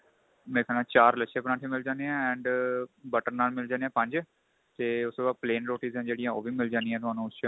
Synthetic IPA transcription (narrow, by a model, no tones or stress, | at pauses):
mɛ̃kʰɛːlãːt͡ʃaːɾləʃʰẽːpəɾãːʈʰẽːmɪld͡ʒãːnd̪eãːɛ̃ːɳɖbəʈəɾnaːlmɪld͡ʒaːneãːpə̃ɲd͡ʒ | t̪eːʊst̪oːbaːd̪̚pleːnɾoːʈiːzɛ̃ːd͡ʒeːɽɪjãːoːbʱiːmɪld͡ʒãːnd̪ɪjãːt̪ʊɦaːnũːst͡ʃ